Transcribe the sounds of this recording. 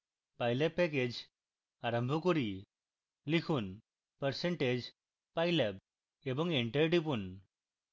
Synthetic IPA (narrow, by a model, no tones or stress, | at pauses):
pajlepɛked͡ʑ | aɾəmbʱɔkuɾi | likʰuːn | pəɾseɳʈed͡ʑ | pajleb | ebɔŋɡeɳʈeɾʈipun